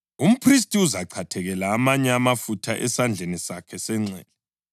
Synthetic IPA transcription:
um̩pʰris̬tʼiuzaǃʰatʰɛɣɛlaːmaɲɛamafutʰaʔɛsand͡ɮʱenisakʰɛsɛŋ͡ǀɛ̰ːlɔ

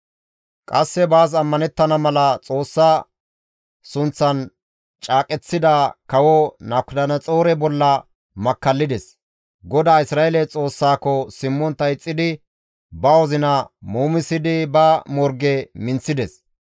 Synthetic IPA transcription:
kʼɐsːɛbaːs̬ɐmːɐnɛt̪ːɐnɐmɐlɐt͡sʼo̞ːsːaː | sʊnt͡sːɐn | t͡ʃʼaːkʼɛt͡sːɪd̪ɐkɐwɔnakːʊd̪ɐnɐt͡sʼo̞ːɾɛbɔlːɐ | mɐkːɐlːɪd̪ɛs | ɡɔd̪aːɪsɾaːjelɛt͡sʼo̞ːsːaːkːɔsɪmːɔnt̪ɐjɪt͡sʼːɪd̪ɪ | bɐwɔzɪnɐmuːmɪsːɪd̪ɪbɐmɔɾɡɛmɪnt͡sːɪd̪ɛs

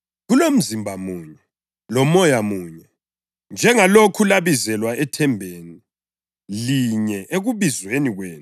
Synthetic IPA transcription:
ɣulom̩zimbʱamuːɲɛ | lɔmɔjamuːɲɛ | nd͡ʒʱɛŋalokʰulaβizɛlwaɛtʰɛmbʱeːni | liɲɛʔeɣuβizweniɣweːn

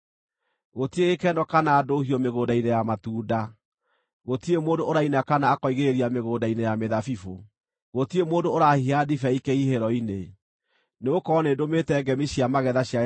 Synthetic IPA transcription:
ɣotieɣekɛnɔkanaːdohiɔmeɣoːdainejamatuːda | ɣotiemoːndoːɾainakanaːkɔiɣeɾeɾiameɣoːdainejameðafifo | ɣotiemoːndooɾahiadifɛikeiheɾɔine | neokɔɔneːdometɛɡɛmiɕiamaɣɛðaɕia

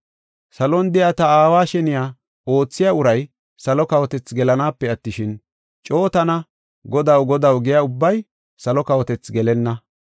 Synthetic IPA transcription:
sɐlɔnd̪ɛjat̪ɐaːwaːʃɛnɪjaː | o̞ːt͡sːɪjaʊɾɐj | sɐlɔkɐwɔt̪ɛt͡sɡɛlɐnaːpːɛɐt̪ːɪʃɪn | t͡ʃʼo̞ːt̪ɐnɐ | ɡɔd̪ɐwɡɔd̪ɐwɡɛjaʊbːɐj | sɐlɔkɐwɔt̪ɛt͡sɡɛlɛnːɐ

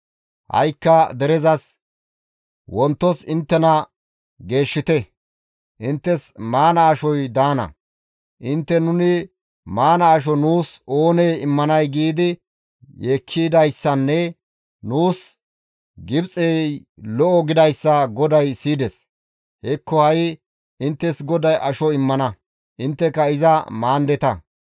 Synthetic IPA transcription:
hɐ̰jkːɐd̪ɛɾɛzɐs | wɔnt̪ːɔsɪnt̪ːɛnɐ | ɡe̞ːʃːɪt̪ɛ | ʔɪnt̪ːɛsmaːnɐːʃɔjd̪aːnɐ̰ | ʔɪnt̪ːɛnʊnɪ | maːnɐːʃ̬ɔnuːso̞ːneːɪmːɐnɐjɡiːd̪ɪ | jeːkʰːiːd̪ɐjsːɐnːɛ | nuːs | ɡɪbt͡sʼejlɔʔɔɡɪd̪ɐjsːɐɡɔd̪ɐjsiːd̪ɛs | hɛkːɔhɐj | ɪnt̪ːɛsɡɔd̪ɐjʔɐʃɔɪmːɐnɐ | ʔɪnt̪ːɛkɐɪzɐmaːnd̪ɛt̪ɐ

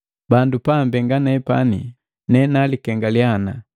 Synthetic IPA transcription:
bandupambɛŋɡanɛpa̰nḭ | nɛnalikɛŋɡaljana

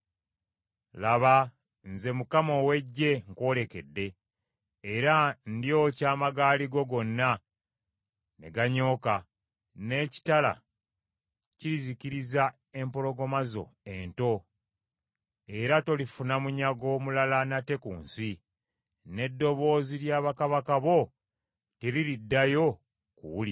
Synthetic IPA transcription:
laβa | nze̞mukamo̞we̞ɟːe̞ŋko̞le̞ke̞dːe̞ː | ɾandio̞caːmaɡaːliɡo̞ɡo̞nːa | ne̞̰ɡaɲo̞ːka | ne̞ːci̥tala̰ | ciɾizikiɾiza | e̞mpo̞lo̞ɡo̞mazo̞̰e̞ːnto̞ | e̞ɾato̞lifunamuɲaɡo̞ːmulalanate̞kṵːnsi | ne̞dːo̞βo̞ːziljaːβakaβakaβo̞ | teɾiɾidːajo̞ | kṵwuli

